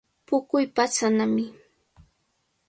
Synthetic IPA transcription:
pʊkʊjpat͡sanamɪ

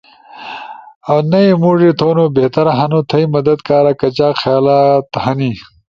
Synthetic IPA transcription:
ɐwnɐimuːʐit̪ʰoːnoːbeht̪ɐɾɐɦɐnot̪ʰɐimɐd̪ɐd̪kaːɾakɐt͡ɕaːxjaːlaːt̪hɐni

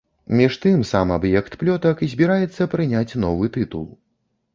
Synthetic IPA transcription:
mʲiʂt̪ɨmsamabjɛkt̪plʲɔt̪ɐkizʲbʲiɾajɛt̪sːɐpɾɨnʲat͡sʲn̪ɔvɨt̪ɨt̪ulˠ

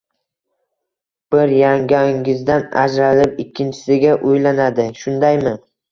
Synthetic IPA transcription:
b̥ɪɾjaŋɡʲaŋɪzd̪ana̰d͡ʒɾalɪpɪkʲʰːɪnt͡ʃʰɪ̥sɪɡʲaʔʊjlanad̪ɪʃʊnd̪ajmɪ

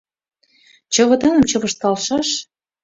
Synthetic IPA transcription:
t͡ɕɤ̆βɤ̆d̪ɤnə̆mt͡ɕɤ̆βɤ̆ʃt̪ɑlʃɑʃ

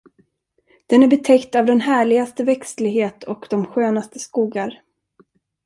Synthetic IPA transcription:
d̪̥ɛnæɾbɛt̪ʰɛkt̪avd̪ɛnɦæːɭɪɡast̪əvɛkslɪɡɦeːt̪ʰɔkd̪ɔmɧøːnast̪ə̥skuːɡaɾ

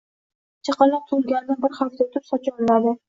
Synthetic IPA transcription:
t͡ʃʰɑqɑlɑq̚t̪ʰulˠɡʲanɪd̪abɪɾχaft̪at̪ʰʊpsɒt͡ʃʰɒnmad̪ɪ

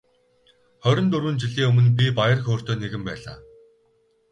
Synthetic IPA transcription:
χœɾʲɞ̆nt̪ɵɾwɘ̆ːnt͡ɕiɮiːŋɵmɵ̆np̬ʲipajə̆rxoːr̥t̪ʰoːneɣɘ̆mpæ̰ːɮa̰ː

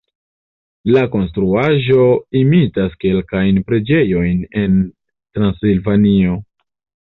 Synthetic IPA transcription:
lako̞nstɾuaʒo̞imitaske̞lkajnpɾe̞d͡ʒe̞jo̞jne̞n | tɾansilvanio̞

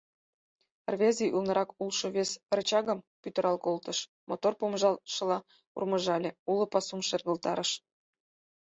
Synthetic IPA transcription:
rvʲezʲijʔulnɤ̆ɾʔɑkulʃoβesrt͡ɕɑɣə̆m | pyt̪ə̆ɾʔɑlˠkolt̪ə̆ʃ | mot̪orpomʒɑlʃə̆lɑ | ṵrmə̆ʒɑlʲeulɤ̆pɑsumʃerɣəlt̪ɑɾəʃ

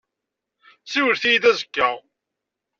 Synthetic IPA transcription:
siwəɾθijid̪æzəkːæʁ

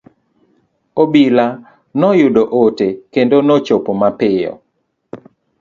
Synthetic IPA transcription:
obila | nɔjʊdoʔotekendonɔt͡ʃopomapɪjɔ̰

